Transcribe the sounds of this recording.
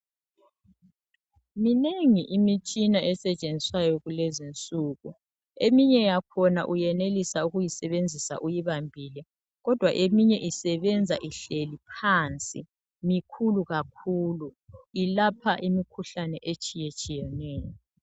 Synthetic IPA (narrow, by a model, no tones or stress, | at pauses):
mineŋiʔimit͡ʃʼinaʔɛsɛt͡ʃʼend͡zʱisajɔɣulezint͡sʼuːɣu | emiɲɛjakʰɔna̰ʔujɛnelisauɣujisɛβend͡zʱisa̰ʔujiβambʱilɛ | ɣɔd̥ʱwaʔemiɲɛʔisɛβɛnd͡zʱaʔiɬelipʰant͡sʼḭ | mikʰuluɣakʰuːluilapʰaʔimikʰuɬanɛʔet͡ʃʼijet͡ʃʼijɛnɛːjɔ